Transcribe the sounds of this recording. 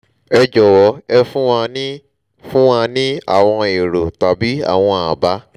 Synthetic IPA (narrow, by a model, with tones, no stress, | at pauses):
ɛ˧d͡ʒɔ˨wɔ˨˦ɛ˧fũ˦ã˧nĩ˦ | fũ˦a˧nĩ˦a̰˦˨w̃ɔ̃˧e˨ɾo˨ta˨bi˨˦a̰˦˨w̃ɔ̃˧a˨ba˨˦